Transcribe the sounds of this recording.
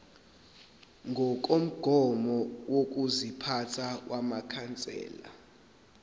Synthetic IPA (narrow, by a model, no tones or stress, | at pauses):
ŋʱɔk̬ʼom̩ɡ̥ʱɔmɔwok̬ʼuzipʰatʰawʔamakʰant͡sʼɛ̰ːla̰